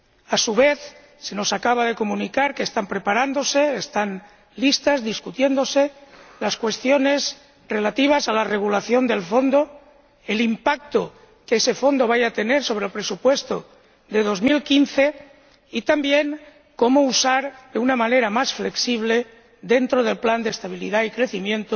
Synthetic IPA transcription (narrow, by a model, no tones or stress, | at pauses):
asuβ̞e̞θ | se̞no̞sakaβ̞aðe̞ko̞mũnikaɾkest̪ampɾe̞paɾand̪o̞se̞ːst̪an | list̪azðiskut̪je̞nd̪o̞se̞laskwe̞st̪jo̞ne̞z | re̞lat̪iβ̞asalare̞ɣ̞ulaθjo̞nd̪e̞lfo̞nd̪o̞ | elimpak̚t̪o | keese̞fo̞nd̪o̞β̞ajat̪e̞ne̞ɾso̞β̞ɾelpɾe̞supwe̞st̪o̞̰ | ðe̞ð̞o̞zmilkinθe̞ | it̪ambje̞ŋ | ko̞mo̞usaɾd̪eunamane̞ɾamasfle̞ksiβ̞le̞ | ðe̞nt̪ɾo̞ð̞e̞lpland̪est̪aβilḭðaikɾe̞θimjẽ̞nt̪o